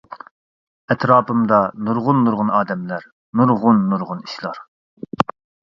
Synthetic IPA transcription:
ɛt̪ʰɾɑːpɨmd̪ɑnuɾʁʊnːuɾʁʊnɑːd̪ɛmlæɾ | nuɾʁʊnːuɾʁʊniʃlˠɑɾ

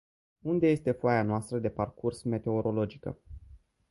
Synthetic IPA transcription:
und̪e̞je̞st̪e̞foajanoast̪ɾəd̪e̞parkursme̞t̪e̞o̞ɾo̞lo̞d͡ʒikə̰

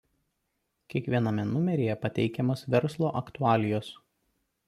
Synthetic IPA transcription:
kʲiɛkʋʲiɛnɐmʲɛnʊmʲɛɾʲejɛpɐt̪ʲɛɪkʲɛmoːsʋʲɛɾslˠoːʔɐkt̪ʊɑːlʲɪjoːs

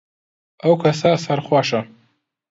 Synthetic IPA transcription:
awkʷʰasasarχʷaʂa

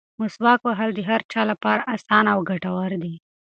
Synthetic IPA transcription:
mʊswɑkwaɦald̪əɦaɾt͡ʃɑlapɑɾaʔasɑnawɡaʈawaɾd̪i

